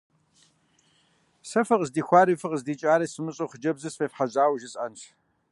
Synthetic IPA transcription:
sɐfɐqəzdiːxʷaːɾɨfɨqəzdiːt͡ʃʼaːɾɐsɨmɨɕʼoχəd͡ʒɐbzɨsfeːfħaʑaːwʒɪsʼɐntʰ

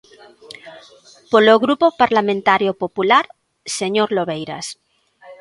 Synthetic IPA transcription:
poloɣɾupopaɾlamẽnt̪aɾjopopulaɾ | seɲoɾloβejɾa̰s

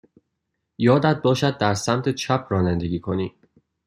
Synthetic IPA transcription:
jɒːd̪æd̪̚bɒːʃæd̪̚ːæɾsæmt̪ʰet͡ʃʰæpʰɾɒːnænd̪e̞ɡʲiːkʰo̞niː

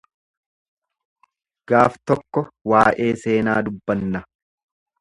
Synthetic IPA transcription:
ɡ̥aːft̪ɔkːɔwaːʔe̞ːse̞ːnaːd̪ʊbːɐnːɐ

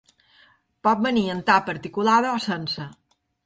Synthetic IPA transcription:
pɔt̪̚bəniənt̪apəɾt̪ikulaðəɔsənsə

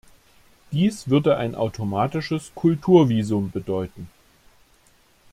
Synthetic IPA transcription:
d̥iːsv̥ʏɐdəʔa̰ɪnʔa̰ʊtʰomaːtɪʃəskʰʊltʰuːɐviːzʊmbədɔʏtn̩

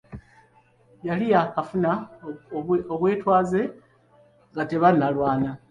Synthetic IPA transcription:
jalijakafuna | oβwe̞ːtwaːze̞ | ŋɡate̞βanːalwaːna

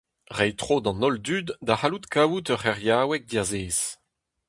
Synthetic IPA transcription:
ʁɛjt̪χoːd̪ɑ̃nɔld̪yːd̪ːahalut̪kʰaːwut̪œʁɛʁjaːwɛk̚d̪iazeːz̥

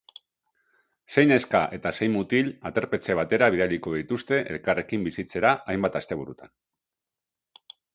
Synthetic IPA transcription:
se̞jne̞skaʔe̞t̪ase̞jmut̪ilat̪e̞ɾpe̞t͡se̞β̞at̪e̞ɾaβ̞iðaliko̞ðit̪ust̪e̞ʔe̞̰lkare̞kimbisit͡se̞ɾaʔajmbat̪ast̪e̞β̞uɾut̪an

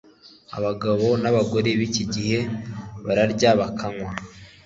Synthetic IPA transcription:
a̰βaɡaβo̞naβaɡo̞ɾeβiciɟihe̞βaɾaɾɟaβakʰaŋwa

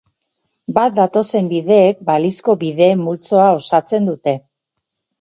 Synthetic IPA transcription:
bat̪̚d̪at̪o̞se̞mbiðe̞ːk̚balisko̞βiðe̞ːmːult͡so̞ao̞sat͡se̞nd̪ut̪e̞

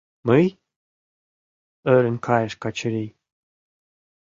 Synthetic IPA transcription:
məj | œːɾənʲkʰajʃkat͡ʃəɾiː

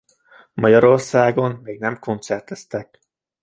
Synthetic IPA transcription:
mɒɟɒɾo̞rsaːɡo̞nmeːɡnɛmkʰo̞nt̪sɛrt̪ɛst̪ɛk̚

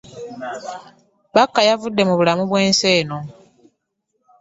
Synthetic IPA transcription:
bakːajavudːe̞muβulamuβwe̞ːnse̞ːno̞

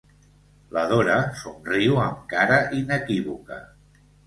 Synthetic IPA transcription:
ləðoɾəsunriwəŋkaɾəʔinəkiβukə̰

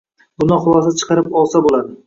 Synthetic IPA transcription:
bʊnɪχʊlˠɒs̬at͡ʃʰɨ̥qʰɑɾɪpɒlˠsabolad̪ɪ

